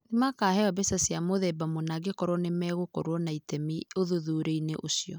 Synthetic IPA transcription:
ðimakaːhɛabɛsasjamoðɛbamonaɡekɔɾwɔnemɛɣokɔɾwɔnaitɛmioðuðuːɾeineʔosiɔ

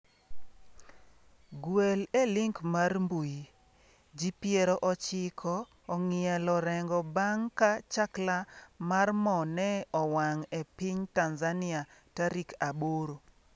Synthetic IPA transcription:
ɡwelelɪŋkmarmbuji | d͡ʒipjeɾɔʔɔt͡ʃɪkʰɔː | ŋɪɛlɔɾɛŋɡɔbaŋkat͡ʃaklamarmɔnɛɔwaŋepiɲtanzanɪataɾikaboɾo

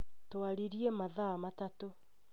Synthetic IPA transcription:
twaɾiɾiemaðamatato

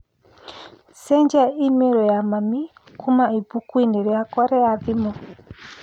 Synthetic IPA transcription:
sɛɲd͡ʒaimɛɾɔjamamikumaibukuindɛɾɛakɔɾɛaðimɔ

